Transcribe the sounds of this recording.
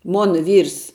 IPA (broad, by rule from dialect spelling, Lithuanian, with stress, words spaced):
ˈmoːnɐ ˈʋʲiːrs